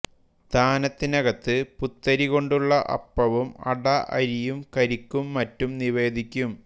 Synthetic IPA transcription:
t̪aːnɐt̪ːinɐɣɐt̪ːɨput̪ːɐɾiɣo̞ɳɖuɭːɐʔɐ̰pːɐʋumɐ̰ɽɐʔɐ̰ɾijumkɐɾikʲːumːɐtːumniʋe̞ːd̪ʱikʲːum

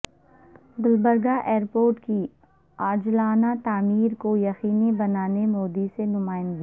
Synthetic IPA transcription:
ɡʊlbəɾɡaʔeːɾpoːɾʈki | aːd͡ʒlaːnat̪aːmiːɾkojɐxiːnibɐnaːnemoːd̪isenʊmaːɪnbi

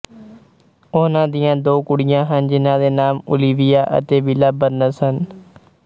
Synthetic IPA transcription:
ʊnãːd̪ɪjãːd̪oːkʊɽɪjãːɦənd͡ʒɪnãːd̪eːnaːmʊ̰liːʋɪjaːʔə̰t̪eːbɪlaːbəɾnəsɦən

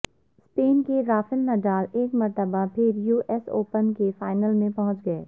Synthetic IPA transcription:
speːnkeɾaːfɪlːɐɖaːleːkmɐɾt̪əbapʰɪɾjuːʔɛso̰ːpənkefaːɪnəlmẽpɐɦʊ̃t͡ʃɡɐeː

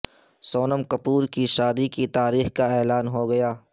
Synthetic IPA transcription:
soːnəmkɐpuːɾkiʃaːd̪ikit̪aːɾiːxkaɛːlaːnɦoɡɐjaː

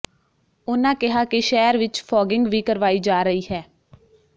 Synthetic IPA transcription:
ʊnãːkɪɦaːkɪʃɛːɾʋɪt͡ʃpʰɔːɡɪŋɡʋiːkəɾʋaːiːd͡ʒaːɾəiːɦɛː

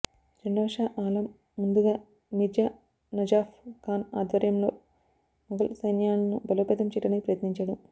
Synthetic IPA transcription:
ɾeɳɖoːʂaːʔaːlɐmː | und̪uɡaː | mid͡ʒja | nɐd͡ʒaːfkaːnaːd̪ʋɐɾjɐmlo̞ː | mɐɡɐlsɐjnjaːnɐnubɐloːpeːt̪ɐmt͡ʃiʈːɐnipɾɐjɐt̪niɲt͡ʃɐɽɐm

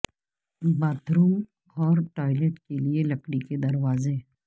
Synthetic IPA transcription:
baːt̪ɾũ | ɔːɾʈaːɪleʈkelielɐkɽiked̪ɐɾwaːze

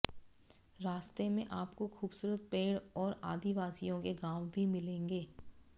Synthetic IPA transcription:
ɾaːst̪emẽʔaːpkoxuːbsuːɾət̪̚peːɽɔːɾa̰ːd̪iʋaːsijõkeɡãːwbʱimɪlẽːŋɡeː

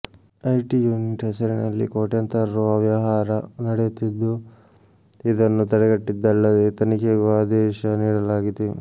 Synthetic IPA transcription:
ɐjʈijuːniʈɦɐsɐɾinɐlːḭkoːʈjɐnt̪ɐɾɐɾuɐʋjɐɦaːɾɐnɐɽɛjut̪ːid̪ːu | id̪ɐnːut̪ɐɽɛɡɐʈːid̪ːɐlːɐd̪et̪ɐnikɛɡuaːd̪ɛːʃɐniːɽɐlaːɡid̪e

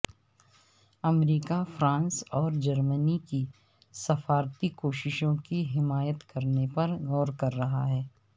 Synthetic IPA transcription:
ɐmɾiːkafɾãːnsɔːɾd͡ʒɐɾməniki | sɐfaːɾt̪ikoːʃɪʃõkiɦɪmaːjət̪kɐɾnepɐɾɣɔːɾkɐɾːɐɦaɦɛː

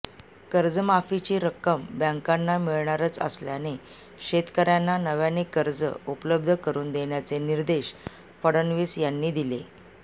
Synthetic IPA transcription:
kəɾd͡zəmafit͡ɕiːɾəkːəmbjãŋkanːamiɭɳaɾət͡sə̰sljane | ɕet̪kəɾjanːanəʋjanekəɾd͡zə̰upləb̚d̪ʱəkəɾuːnd̪eɳjat͡seniɾd̪eɕ | fəɽənʋiːsjanːiːd̪ile

